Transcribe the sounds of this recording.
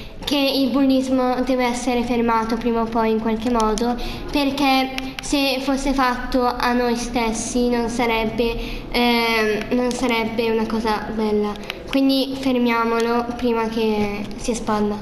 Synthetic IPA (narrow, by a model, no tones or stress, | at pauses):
keilbulːizmod̪ɛːveɛsːeɾefermaːt̪opɾiːmaopːɔjiŋkwalk̟emːɔːd̪o | perk̟e | sefosːefat̪ːoʔanːojst̪esːinonsaɾɛbːe | nonsaɾɛbːeunakɔːzabɛlːakwind̪ifermjaːmolopɾiːmakesiespald̪a